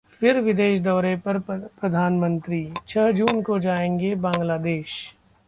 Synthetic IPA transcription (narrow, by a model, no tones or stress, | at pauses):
fɪɾʋɪd̪eːʃd̪ɔːɾepɐɾpɾɐd̪ʱaːnmə̃nt̪ɾiːt͡ʃʰɐɦd͡ʒuːnkod͡ʒaːẽːŋɡebãːŋɡlaːd̪eːʃ